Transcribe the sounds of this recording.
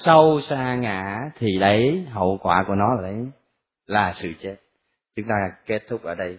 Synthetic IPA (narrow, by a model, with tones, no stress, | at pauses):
sə˧wsaː˧ŋa̰ː˧˩˨t̪ʰi˨˩ɗə˨˦jɦə̰˧˨kwaː˧˩ku˧˩ənɔ˨˦laː˨˩ɗə˨˦j | laː˨˩sɨ̰˧˨t͡ɕe˦˥t̚ | t͡ɕʊ˨˦ŋ͡mt̪aː˧ke˦˥t̚t̪ʰʊ˦˥k͡p̚ʔəː˧˩ɗə˧j